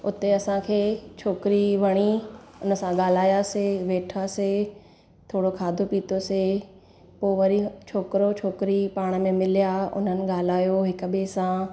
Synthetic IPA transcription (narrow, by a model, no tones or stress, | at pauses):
ʊt̪eɐsãkʰeːt͡ʃʰoːkɪɾiʋɐɽ̃iʊnə̆sãɠaːl̤aːjaseʋeːʈʰase | t̪ʰoːɽokʰaːd̪ʱopiːt̪oseː | poːʋɐɾit͡ʃʰoːkɪɾot͡ʃʰoːkɪɾipaːɽ̃ə̆mẽmɪlijaʊ̰n̤ənɪ̆ɠaːl̤aːjoɦɪk̆ɓeːsã